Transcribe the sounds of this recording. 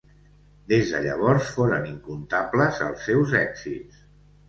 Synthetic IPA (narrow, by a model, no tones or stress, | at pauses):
d̪ezðə̰ʎə̰β̞ɔɾsfoɾəniŋkunt̪apləzə̰lˠsːɛwzɛkzits